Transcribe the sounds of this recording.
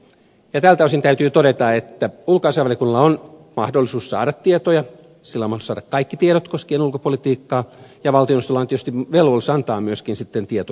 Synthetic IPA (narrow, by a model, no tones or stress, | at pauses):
jɑt̪ælt̪æosint̪æyt̪yːt̪oɾet̪ɑet̪ːæulkoɑnsɑʋɑljekunːɑlɑonmɑhdolːˑisuːssɑ̰ːɾɑt̪t̪ːiet̪ojɑ | silːæmɑhosɑːdɑkkɑikːit̪ieɾot̪koskienulkopolit̪iːkːɑːjɑʋɑlt̪ionist̪olɑːnt̪iøst̪iʋelʋolsɑnt̪ɑːmyøskinsit̪ːent̪iet̪o